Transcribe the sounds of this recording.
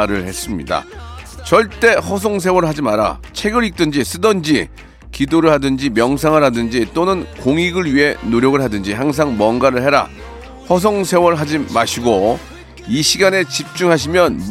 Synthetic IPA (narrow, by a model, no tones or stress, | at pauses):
ɾɯɭhe̞s͈ɯmɲḭda̰t͡ɕʌɭt͈e̞ɸʌs̬ʰoŋs̬ʰe̞wʌɾɭɦad͡ʑimaɾa̰t͡ɕʰeɡɯɾik̚t͈ɯnd͡ʑis͈ɯdʌnd͡ʑi | kidoɾɯɭhadɯnd͡ʑimjʌŋs̬ʰaŋɯɾadɯnd͡ʑit͈onɯnkoŋiɡɯɭɥiɦe̞noɾjʌɡɯɭɦadɯnd͡ʑiɦaŋs̬ʰaŋmwʌnɡaɾɯɭɦeɾa̰ | hʌs̬ʰoŋsʰe̞wʌɭɦad͡ʑimaɕʰiɡo | iɕʰiɡane̞t͡ɕip̚t͡ɕ͈uŋɦaɕ̬ʰimjʌn